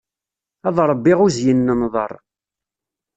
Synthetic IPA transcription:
ɑðˤɾˤəbːɪʁʊzjənːənðˤə̰ɾˤ

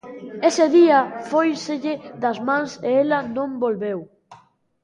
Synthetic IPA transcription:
eseðiafojseʎɪðazmãnseelanõmbolβew

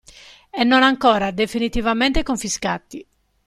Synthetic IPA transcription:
ɛnːɔnaŋkɔːɾad̪efinit̪ivamɛnt̪ekoɱfiska̰t̪i

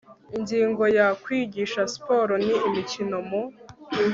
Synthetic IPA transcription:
iɲɟiːŋɡo̞jakwiːɟiʃaspo̞ɾoniːmicino̞mu

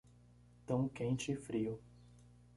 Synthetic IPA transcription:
t̪ɐ̃w̃kẽnt͡ʃɪɪfɾiʊ

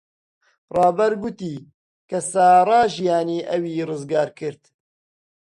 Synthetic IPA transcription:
rɑːbɐɾɡʊt̪iː | kɐsaːɾˤɑːʒijaːniːʔɐwiːrɨzɡaːɾkɨɾt̪

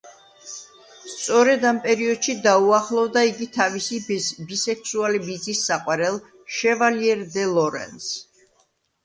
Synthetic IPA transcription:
st̪sʼɔɾɛd̪ampʼɛɾiɔd̪̥ʃid̪auaχlˠɔvd̪aiɡit̪ʰavisibisɛksualibid̪zisːaqʼwaɾɛlˠ | ʃɛvaliɛɾd̪ɛlˠɔɾɛ̰ns

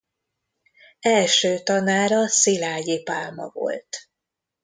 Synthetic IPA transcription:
ɛlʃøːt̪ɒnaːɾɒsilaːjipaːlmɒ̰vo̞̰lt̪

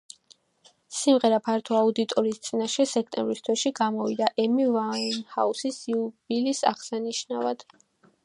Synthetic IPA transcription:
simʁɛɾapʰaɾt̪ʰɔaud̪it̪ʼɔɾiːst̪sʼinaʃɛsɛk̚ʰt̪ʼɛ̰̃mbɾist̪ʰwɛʃiɡamɔvid̪aʔɛmivainhausisiubilisa̰ʁsaniʃnavad̪̥

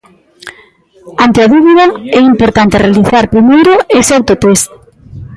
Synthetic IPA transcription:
ant̪eaðuβiðɐɛimpoɾt̪ant̪erealiθaɾpɾimejɾʊesawt̪ot̪est̪

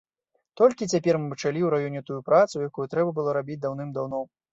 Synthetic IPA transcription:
t̪ɔlʲkʲit͡sʲapʲɛrmɨpɨt͡ʂalʲiwɾajɔnʲɛt̪ujupɾat̪sujakujut̪ɾɛbɐbɨlˠɔɾabʲit͡sʲd̪awnɨmd̪awn̪ɔ

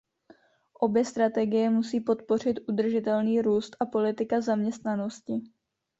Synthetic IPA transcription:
ʔo̞bjɛst̪ɾat̪ɛɡɪjɛmusiːpo̞t̪po̞r̝ɪt̪ʔud̪r̩ʒɪt̪ɛlniːɾuːst̪ʔapo̞lɪt̪ɪkazamɲɛst̪nano̞scɪ

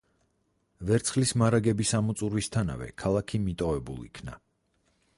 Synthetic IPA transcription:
vɛɾt̪sʰχlismaɾaɡɛbisamut̪sʼuɾwist̪ʰana̰vɛ̰kʰalˠakʰimit̪ʼɔvɛbṵlˠḭkʰna̰

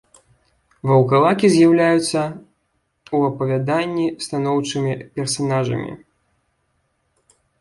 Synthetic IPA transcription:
vɐwkalˠakʲizʲjawlʲajut̪sːɐ | uɐpɐvʲad̪anʲːist̪anɔwt͡ʂɨmʲipʲɛrsanaʐɐ̰mʲḭ

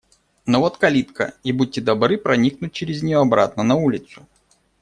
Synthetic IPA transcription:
novot̪kɐlʲit̪kə̰ibud̚ʲtʲːɪd̪ɐbɾɨpɾɐnʲiknʊt̚ʲt͡ɕɪɾʲɪzʲnʲɪjoɐbɾa̰t̪nənɐulʲɪt̪sʊ

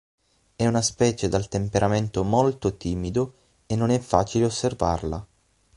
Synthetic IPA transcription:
ɛunaspɛːt͡ʃed̪alt̪empeɾʔament̪omolt̪ot̪iːmid̪o | enːonɛfːaːt͡ʃileosːerva̰rla̰

